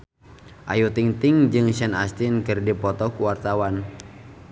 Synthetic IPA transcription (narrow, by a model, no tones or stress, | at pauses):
ʔa̰jut̪iŋt̪ɪŋd͡ʒɨŋsɛnast̪inkɨrdipɔt̪ɔkuwart̪awan